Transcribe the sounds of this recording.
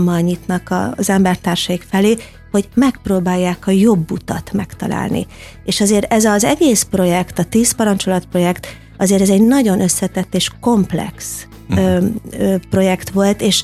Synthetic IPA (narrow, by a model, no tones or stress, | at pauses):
mːɒlɲit̪nɒkɒ̰zɛmbɛrt̪aːrʃɒjikfɛleː | ho̞ɟmɛk̚proːbaːjːaːkɒjo̞bːut̪ɒt̪mɛkt̪ɒ̰la̰ːlnḭ | eːʃɒzeːɾɛzɒzɛɡeːspro̞jɛkt̪ɒt̪iːspɒɾɒnt͡ʃo̞lɒt̪pro̞jɛkt̪ | ɒzeːɾɛzɛɟnɒɟo̞nʔø̞sːɛt̪ɛt̪ːeːʃko̞mplɛ̰ks | pro̞jɛkt̪ʋo̞lt̪eːʃ